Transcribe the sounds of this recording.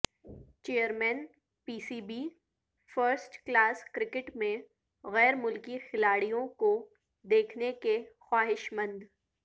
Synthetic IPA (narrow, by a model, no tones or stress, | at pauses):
t͡ʃeːəɾmɛːn | piːsiːbiː | fəɾsʈklaːskɾɪkɪʈmẽ | ɣɛːɾmʊlkixɪlaːɽijõko | d̪eːkʰnekexwaːɦɪʃmə̃nd̪